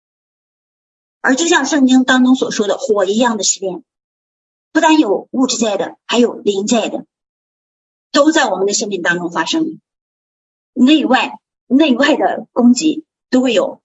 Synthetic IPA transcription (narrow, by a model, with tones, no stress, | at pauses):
ə˞˧˥t͡ɕjo˥˧ʊɕjɑ˥˧ŋʂɤ˥˩ŋt͡ɕi˥ŋt̪ɑ˥ŋʈ͡ʂʊ˥ŋswɔ˨˩ʂwɔ˥d̪ə˨xwɔ˨˩i˧˥jɑ˥˩ŋd̪ə˩ɕi˥˧ljɛ˥˩n | pu˥˩t̪a˥njo˨˩ʊu˥˩ʈ͡ʂɻ̩˥t͡ɕja˥˩ɪd̪ə̰˩xa˧˥ɪjo˨˩ʊli˧˥ŋt͡ɕja˥˩ɪd̪ə˩ | t̪o˥ʊt͡sa˥˩ɪwɔ˨˩mə˦nd̪ə˧ʂə˥nmi˥˩ŋt̪ɑ˥ŋʈ͡ʂʊ˥ŋfa˥ʂɤ˥ŋ | ne˥˧ɪwa˥˩ɪ | ne˥˧ɪwa˥˩ɪd̪ə̰˩kʊ˥ŋt͡ɕi˧˥ | t̪o˥ʊxwe˥˩ɪjo˨˩˦ʊ